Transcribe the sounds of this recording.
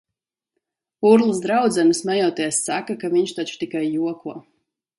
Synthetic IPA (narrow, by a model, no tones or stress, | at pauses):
uɾlˠɨs̬d̪ɾawd̪zɛmɨsmajɔːt̪iɛsːakakaviɲʃt̪at͡ʃu̥t̪ikajːuɔkuɔ